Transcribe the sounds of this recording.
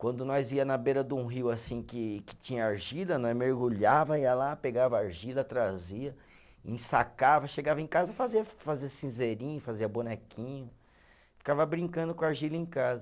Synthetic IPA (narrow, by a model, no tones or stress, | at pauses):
kwɐ̃nd̪ʊnɔjziɐnɐbeɾɐd̪ũɦiwasĩkɪkɪ̥t͡ʃĩɲɐaɾʒilɐnɔ̃meɾɡuʎavɐiɐlapeɡavɐaɾʒilɐt̪ɾaziɐ | ḭ̃sakavɐʃeɡavɐẽkazɐfaziɐfaziɐsĩzeɾĩɲʊfaziɐbunɛkʰĩɲʊ | fi̥kavɐbɾĩŋkɐ̃nd̪ʊkõaɾʒilɐẽkazɐ